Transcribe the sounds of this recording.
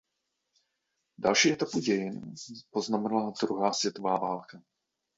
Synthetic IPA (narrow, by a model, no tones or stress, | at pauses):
dalʃiːʔɛt̪apuɟɛjɪnpo̞znamɛnalad̪ɾuɦaːsvjɛt̪o̞vaːvaːlka